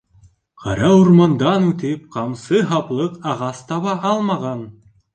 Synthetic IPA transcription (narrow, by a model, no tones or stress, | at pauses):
qʰɑ̰ɾɑuɾmɑnd̪ɑnʉt̪ɘp̚qɑmsɤɦɑplˠɤqɑʁɑst̪ɑβɑʔɑlˠmɑʁɑn